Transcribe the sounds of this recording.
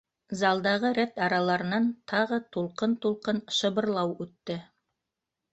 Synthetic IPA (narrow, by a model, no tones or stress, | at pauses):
zɑlˠd̪ɑʁɤɾæt̪ɑɾɑlˠɑɾɤ̆nɑnt̪ʰɑʁɤt̪ulˠqɤnt̪ulˠqɤnʃɤ̆βɤ̆ɾlˠɑwʉt̪ːɘ